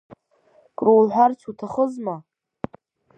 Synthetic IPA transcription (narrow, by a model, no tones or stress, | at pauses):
kʼruwlħʷᶣart͡ʃʰutʰaχəzma